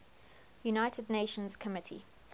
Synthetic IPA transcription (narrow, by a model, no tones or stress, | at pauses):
junaɪtʰɪdneɪʃə̃nz̥kʰəmɪtʰḭ